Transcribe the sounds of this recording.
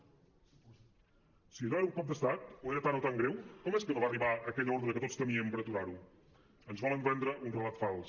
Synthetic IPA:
sinoɛɾukɔp̚d̪əst̪at̪oeɾət̪anot̪aŋɡɾewkɔmɛskənoβariβaəkɛʎəɔɾðɾəkət̪ot͡sst̪əmiəmpəɾət̪uɾaɾu | ənzβɔləmbɛnd̪ɾəʔunrəlat̪falˠs

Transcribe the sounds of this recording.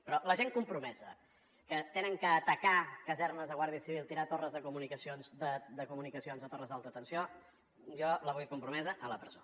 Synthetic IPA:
pɾɔləʒeŋkumpɾumɛzə̰ | kət̪enəŋkəːt̪əkakəzɛrnəzðəɣwaɾðiəsiβilˠt̪iɾat̪orəzðəkumunikəsionzðəd̪əkumunikəsionzðət̪orəzðalˠt̪ɾəːt̪ənsio | ʒɔləβ̞ujkumpɾumɛzəʔələpɾəzo̰

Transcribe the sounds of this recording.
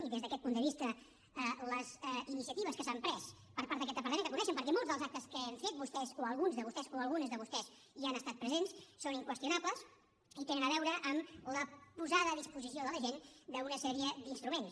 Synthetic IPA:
d̪ezðəkɛt̪̚pund̪əβist̪ə | ələzɛinisiət̪iβ̞əskəsampɾɛs | pəɾpaɾt̪əkɛt̪əpəɾt̪mẽnəkunɛʃəmpəɾkɛmolˠzðəlˠzak̚t̪əskəeɱfet̪̚bust̪ɛzoəlˠɣunzðəβust̪ɛzoəlˠɣunəzðəβust̪ɛs | ianəst̪at̪̚pɾəzenssoniŋkwəst̪junapləs | it̪enənəβɛwɾəʔəmləpuzaðəːðispuzisioðələʒend̪əunəsɛɾiəd̪inst̪ɾumens

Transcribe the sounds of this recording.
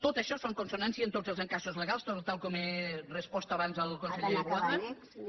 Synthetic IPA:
t̪ot̪əʃɔsoŋkonsonansiəːnt̪ozəlˠzəŋkasuzləɣalˠst̪ot̪t̪alˠkɔmerəspɔst̪əːβanzəlˠkonsəʎeəkuaðə

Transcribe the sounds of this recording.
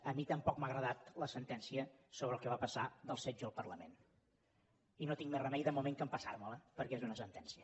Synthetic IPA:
əmit̪əmpɔkmaɣɾəðat̪ləsənt̪ɛnsiəsoβɾəːlˠkəβapəsaðəlˠsɛd͡ʒəːlˠpərləmḛn | inot̪iŋmɛrəmɛjðəmumeŋkəmpəsarmələpəɾkɛezunəsənt̪ɛnsiə

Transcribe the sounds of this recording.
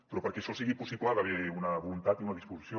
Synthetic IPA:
pɾɔpəɾkɛʃɔsiɣipusiplaðaβeunɐβulunt̪at̪iunɐðispuzisjo

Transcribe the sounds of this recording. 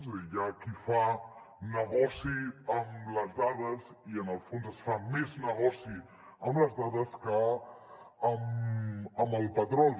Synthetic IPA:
zʒakifa | nəɣɔsiəmləzðað̞əz | iənəlˠfonzəsfameznəɣɔsi | əmləzðaðəskəː | m | əməlˠpət̪ɾɔl

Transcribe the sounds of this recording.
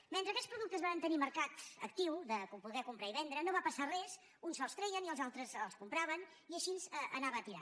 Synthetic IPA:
menɾəkɛspɾuðuk̚t̪əzβaənt̪əniməɾkat̪ə̰kt̪iwðəkupuɣɛkumpɾaiβɛnd̪ɾənoβapəsarɛz | unsɔlˠst̪ɾɛjəniəlˠzalˠt̪ɾəzəlˠskumpɾaβən | iəʃinzəə̰naβəːt̪iɾa̰

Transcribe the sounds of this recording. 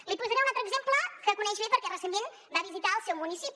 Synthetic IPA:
lipuzaɾeunat̪ɾəɡzempləkəkunɛʒβepəɾkɛrəsend̪en | baβizit̪aəlˠsɛwmunisipi

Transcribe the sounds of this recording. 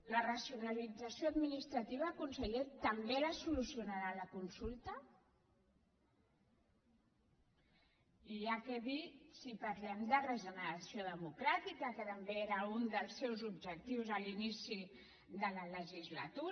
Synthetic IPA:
lərəsiunalid͡zəsioad̪minist̪ɾət̪iβ̞akunsəʎet̪əmbeləsulusiunaɾaləkunsulˠt̪ə | iakɛβisipaɾlɛmd̪ərəʒənəɾasioðəmukɾat̪ikəkət̪əmbeeɾəund̪əlˠsewzubʒək̚t̪iwzəlinisi | d̪ələləʒizlə̰t̪u

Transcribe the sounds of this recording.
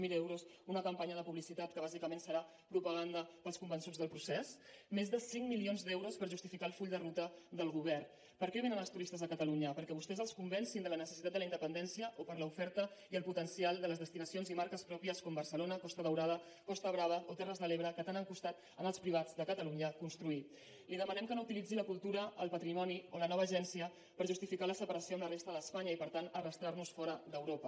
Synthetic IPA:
milɛwɾus | unəkəmpaɲəðəpuβlisit̪at̪kəβazikəmensəɾa | pɾupəɣ̞and̪əpəlˠskumbənsud͡zðəlˠpɾusɛsmezðəsiŋmilionzd̪ɛwɾospəɾʒust̪ifikalˠfuʎd̪ərut̪əðəlˠɣuβɛr | pəɾkɾɛβinənəlˠst̪uɾist̪əzðəkət̪əluɲəpəɾkɛβust̪ɛzəlˠskumbɛnsind̪ələnəsəsit̪at̪d̪ələind̪əpənd̪ɛnsijəʔopəɾləufɛɾt̪əiəlˠput̪ənsialˠd̪ələzðəst̪inəsionzimaɾkəspɾɔpiəskɔmbərsəlonəkɔst̪əðəwɾaðə | kɔst̪əβ̞ɾaβəʔot̪ɛrəzðəleβɾəkət̪anəŋkust̪at̪ | ənəlˠspɾiβ̞ad͡zðəkət̪əluɲəkunst̪ɾuit̪ | liðəmənɛmkənout̪ilid͡ziləkulˠt̪uɾəːlˠpət̪ɾimɔniolənɔβ̞əːʒɛnsiə | pəɾʒust̪ifikaləsəpəɾəsioəmlərest̪əðəspaɲəipəɾt̪anərəst̪ɾaɾnusfɔɾəd̪əwɾopə

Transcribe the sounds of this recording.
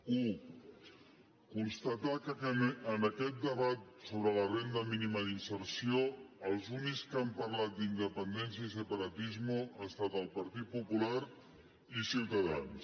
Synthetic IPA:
u | kunst̪ət̪akəkəənəkɛt̪̚d̪əβat̪soβɾələrɛnd̪əminiməðinsəɾsioəlˠzunikskampəɾlat̪̚d̪ind̪əpənd̪ɛns̬jəis̬əpəɾət̪izməəst̪at̪əlˠpəɾt̪it̪̚pupulaɾ | isiwt̪əða̰ns

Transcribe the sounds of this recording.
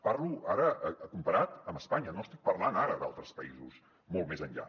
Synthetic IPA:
paɾluaɾəʔəkumpəɾat̪əməspaɲənoəst̪ik̚pərlanaɾəd̪a̰lˠt̪ɾəspəizus | molˠt̪mezənʎa̰

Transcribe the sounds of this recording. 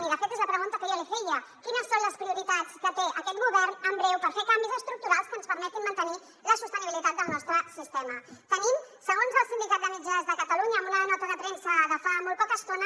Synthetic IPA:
iðəfet̪ezləpɾəɣunt̪əkəðiəlexejəkinəsːonləspɾiuɾit̪at͡skət̪eʔəkɛt̪̚ɣuβɛɾnəmbɾɛwpəɾfekambizəst̪ɾuk̚t̪uɾalˠskənspəɾmɛt̪imːənt̪əni | ləsust̪əniβilit̪at̪̚d̪əlˠnɔst̪ɾəsist̪ɛmət̪ənimsəɣ̞onzəlˠsind̪ikat̪zəmid͡ʒazðəkət̪əluɲəːmunəðənɔt̪əðət̪ɾensəːɣəfamolˠt̪̚pɔkəst̪onə

